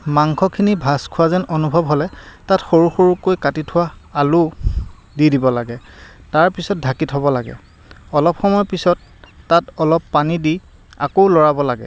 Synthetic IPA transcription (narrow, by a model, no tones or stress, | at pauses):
maŋkʰɔkʰinibʱaskʰʊwazɛnonubʱɔbɦolɛtatxoɹuxoɹukːojkatitʰʊwaːlʊ | didibɔlaɡɛ | taɹpisɔt̚dʱakitɦɔbɔlaɡɛ̰ | ɔlɔpxɔmɔjɔpisɔtː | atɔlɔpːanidi | a̰koʊlɔɹabɔlaɡɛ̰